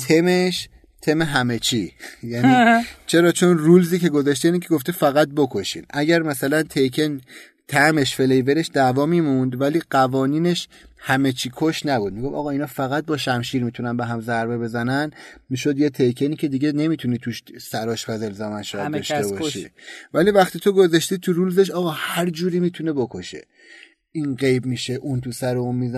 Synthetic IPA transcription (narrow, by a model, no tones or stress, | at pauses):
t̪ʰe̞meʃ | t̪ʰe̞meɦæme̞t͡ʃʰijæniːt͡ʃʰe̞ɾɒːt͡ʃʰo̞nrulziːce̞ɡozæʃt̪einicʰeɡo̞ft̪efæɣæt̪̚bokʰoʃḭːnʔæɟæɾmæsælænt̪ʰejkʰen | t̪ʰæme̞ʃfelejveɾe̞ʃd̪ævɒːmiːmund̪væliːɢævɒːniːne̞ʃ | hæme̞t͡ʃʰiːkʰoʃnæbud̪̚miɡo̞fɒ̰ɣɒːinɒːfæɣæt̪̚bɒːʃæmʃiːɾmiːt̪ʰunænbeɦæmzæɾbe̞be̞zænænmiːʃo̞d̪jet̪ʰejkʰe̞niːcʰe̞d̪iɟe̞ne̞mit̪ʰuniːt̪ʰuʃsæɾɒːʃbæzelzæmænʃɒːdɒʃt̪ebɒːʃʃḭvæliːvæxt̪iːt̪ʰo̞ɡo̞zæʃt̪it̪ʰuɾulzeʃ̬ɒːɣɒːhæɾd͡ʒuːɾiːmiːt̪ʰune̞bo̞kʰo̞ʃe̞̰ | iːnɢe̞jbmiːʃeʔunt̪ʰusæɾeunmiːzæ